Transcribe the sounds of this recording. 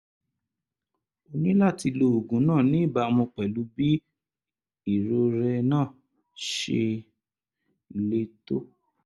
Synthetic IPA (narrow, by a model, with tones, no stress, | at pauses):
o˧nĩ˦la˦˨ti˧lo˧o˨ɡũ˨˦nãː˦˨nĩ˨˦i˦˨ba˧mõ˧k͡pɛ˨lu˨˦bi˦ | i˦˨ɾo˧ɾɛ˧nãː˦˨ | ʃe˧ | le˧to˦